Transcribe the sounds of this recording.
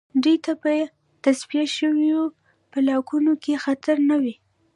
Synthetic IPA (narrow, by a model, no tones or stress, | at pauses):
d̪et̪apə | t̪aspiaʃəwiju | pəlɑkunokʰexat̪aɾnawi